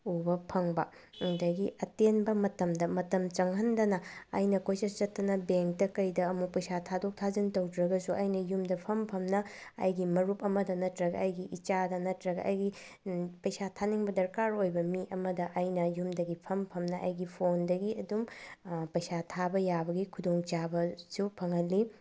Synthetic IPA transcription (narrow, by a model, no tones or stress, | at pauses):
ubɐpʰɐŋbɐ | dɐɡiɐtenbɐmɐtɐmdɐmɐtɐmt͡ʃɐŋɦɐndɐnɐːjnɐkojsɐst͡ʃɐtːɐnɐbeŋk̚tɐkɐjdɐːmupɐjsatʰadok̚tʰazintɐwdɾɐɡɐsuʔɐjnɐjumdɐpʰɐmpʰɐmnɐ̰ːjɡimɐɾupɐmɐdɐnɐtɾɐɡɐːjɡiʔit͡ʃadɐnɐtɾɐɡɐ̰ʔɐ̰jɡi | pɐjsatʰaniŋbɐdɐɾkaɾojbɐmiʔɐmɐdɐʔɐjnɐjumdɐɡipʰɐmpʰɐmnɐʔɐ̰jɡipʰondɐɡiɐdumpɐjsatʰabɐjabɐɡikʰudoŋt͡ʃabɐsupʰɐŋɦɐlːi